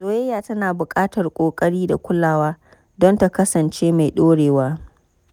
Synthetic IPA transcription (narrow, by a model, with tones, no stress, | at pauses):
sʼoː˦jɛ˦jaː˨tɐ˦naː˨bʊ˨kʼaː˦tɐ˨rkʷʼoː˨kʼɐ˦ɽiː˦da˨kʷʊ˦laː˦˨waː˦ | dɔ˦nta˨kɐ˦sɐ˨nt͡ʃeː˦ma˨jɗoː˦ɽeː˨waː˦